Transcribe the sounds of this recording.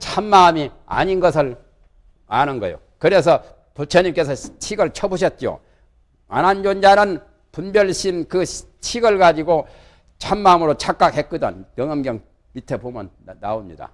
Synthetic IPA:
t͡ɕʰamːaɯmi | a̰ɲinɡʌsʰɯɭ | anɯnɡʌjo̰ | kɯɾe̞s̬ʰʌ | put͡ɕʰʌɲimk͈e̞sʰʌt͡ɕʰiɡɯɭt͡ɕʰʌbuɕ̬ʰʌt̚t͡ɕ͈o̰ | a̰nand͡ʑond͡ʑanɯn | punbjʌɭɕʰimkɯt͡ɕʰiɡɯɭɡad͡ʑiɡo | t͡ɕʰamːamɯɾot͡ɕʰak̚k͈ak̚he̞k̚k͈ɯdʌ̰ntʌŋʌmɡjʌŋ | mitʰepomʌnːa̰omɲḭd̥a̰

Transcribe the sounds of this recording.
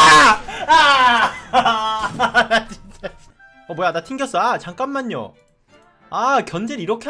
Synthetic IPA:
a | nat͡ɕi̥nt͡ɕ͈a | ʌmojanatʰiŋɡjʌs͈ʌat͡ɕaŋk͈anːaɲːo̰ | akjʌnd͡ʑeɾiɾʌkʰe

